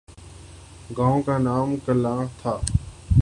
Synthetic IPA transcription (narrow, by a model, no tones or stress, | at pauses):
ɡãːõːkaːnaːmkəlãːt̪ʰaː